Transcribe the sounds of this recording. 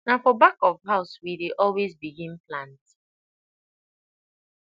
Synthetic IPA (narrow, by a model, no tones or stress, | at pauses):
nafɔbakɔvɦaʊswideʔɔlwezbiɡĩnplãnt